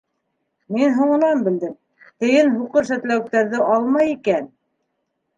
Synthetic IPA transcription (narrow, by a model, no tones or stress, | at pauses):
minɦuɴɤ̆nɑnbɘ̆ld̪ɘm | t̪ɘ̆jɘnɦuqɤɾʃ̬æt̪læwk̚t̪æɾðɘʔɑlˠmɑjikæn